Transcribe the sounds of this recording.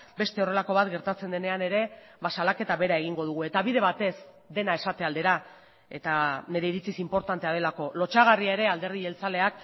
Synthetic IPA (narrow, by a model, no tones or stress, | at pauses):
be̞st̪e̞o̞re̞lako̞β̞at̪ɡe̞ɾt̪at͡se̞nd̪e̞ne̞ane̞ɾe̞ | βasalake̞t̪aβe̞ɾae̞ɣ̞iŋɡo̞ð̞uɣ̞ue̞t̪aβiðe̞β̞at̪e̞s | d̪e̞nae̞sat̪e̞ald̪e̞ɾa | e̞t̪ane̞ɾe̞iɾit͡sisimpo̞ɾt̪ant̪e̞að̞e̞lako̞lo̞t͡ʃaɣ̞ariae̞ɾe̞ald̪eɾðie̞lt͡sale̞ak̚